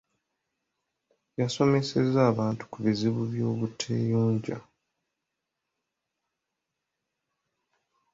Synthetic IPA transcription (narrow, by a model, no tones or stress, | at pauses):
jaso̞me̞se̞zaːβaːntu̥kuβiziβuβjo̞ːβutʰḛːjuːɲɟa̰